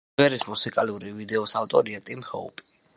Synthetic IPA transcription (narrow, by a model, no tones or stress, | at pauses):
ɛɾismusikʼaluɾivid̪ɛɔsaft̪ʼɔɾiat̪ʼimhɔ̰upʼi̥